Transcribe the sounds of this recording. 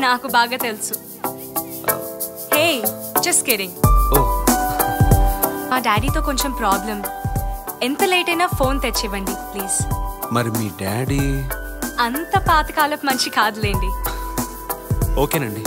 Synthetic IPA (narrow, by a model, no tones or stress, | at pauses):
naːkubaːɡaːt̪elusu | hej | d͡ʒɐskeɾiŋoː | maːɖaːɖiːt̪o̞ːko̞ɲt͡ʃempɾaːblɐm | ent̪ɐleːʈɐjnaːpʰo̞ːnt̪et͡ʃːɛʋɐɳɖipliːzmɐɾimiːɖaːɖi | ɐnt̪ɐpaːt̪ɐ̥kaːlɐkmɐnt͡ʃikaːd̪uleːɳɖi | oːkeːnɐɳɖi